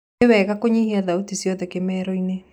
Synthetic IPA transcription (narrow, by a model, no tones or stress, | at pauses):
ewɛɣakoɲihiaðautisjɔðɛkemɛːɾɔine